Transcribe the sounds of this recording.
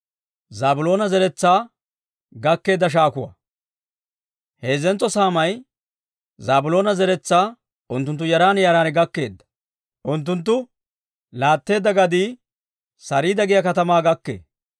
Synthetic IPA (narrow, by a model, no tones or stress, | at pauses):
zaːbʊlo̞ːnɐzɛɾɛt͡sːaː | ɡɐkːe̞ːd̪ːɐʃ̬aːkʊwɐ̰ | he̞ːzɛnt͡sːɔsaːmɐj | zaːbʊlo̞ːnɐzɛɾɛt͡sːaː | ʊnt̪̬ːʊnt̪̬ːʊjɐɾaːnjaːɾaːnɡɐkːe̞̰ːd̪ːɐ̥ | ʔʊnt̪̬ːʊnt̪̬ːʊ | laːt̪ːe̞ːd̪ːɐɡɐd̪iː | sɐɾiːd̪ɐɡɪjɐkɐt̪ɐmaːɡɐkːḛː